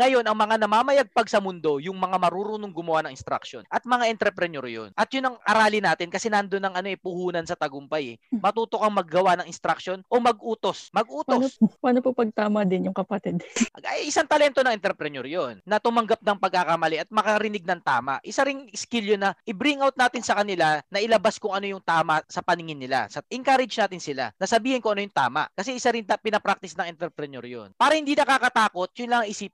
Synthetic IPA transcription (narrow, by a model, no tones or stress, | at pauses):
ŋɐjo̞nʔɐŋmɐŋanɐmaːmɐjaɡ̚pɐɡ̚sɐmʊnd̪o̞jʊŋmɐŋamɐɾuːɾunoŋɡʊmɐwaʔnɐŋɪnst̪ɾɐ̰kʃo̞̰nʔɐt̪̚mɐŋaʔɛnt̪ɾɛpɾɛnoɾjo̰nʔɐt̪̚jʊnɐŋʔɐɾaːlɪnaːt̪ɪnkɐsɛnɐnd̪onːɐŋʔɐno̞ʔɛpʊhuːnɐnsɐt̪ɐɡʊmpajɛmɐt̪uːt̪o̞kɐŋmɐɡːɐwanɐŋʔɪnst̪ɾɐk̚ʃo̞nʔo̞mɐɡ̚ʔuːt̪o̞smɐɡ̚ʔuːt̪onpaːnopɐpɐɡ̚t̪aːmɐd̪ɪnjʊŋkɐpɐt̪ɛd̪ʔɐjʔɪsaŋt̪ɐlɛnt̪oɐŋɛnt̪ɾɛpɾɛnoɾjonːɐt̪ʊmɐŋɡap̚nɐŋpɐɡ̚kakɐmɐlɛʔɐt̪̚mɐkɐɐɾɪnɪɡ̚nɐŋt̪a̰ːma̰ʔʔɪsaɾɪŋskɪljonɐʔɪbɾiŋawt̪̚naːt̪ɪnsɐkɐnɪlanɐʔɪlɐbaskʊŋɐno̞jʊŋt̪aːmɐʔsɐpɐnɪŋɪnːɪla̰sɐʔɪŋkaɾɪd͡ʒnaːt̪ɪnsɪla̰nɐsɐbiːhɪnkʊŋʔɐnojʊŋt̪a̰ːma̰ʔkɐsɛʔɪsaɾɪnnɐpɪnɐpɾak̚t̪ɪsnɐŋɪnt̪ɛɾpɾɛnɛɾjo̰npaːɾɐhɪnd̪inɐkaːkɐt̪aːko̞t̪̚jʊnlaŋʔiːsip̚